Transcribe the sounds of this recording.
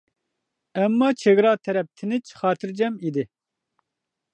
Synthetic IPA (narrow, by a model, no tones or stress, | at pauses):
ɛmːɑːt͡ʃʰeɡɾɑːt̪ʰɛɾɛp̚t̪ʰɨnɨt͡ʃxɑːt̪ʰɨɾd͡ʒɛmiːd̪i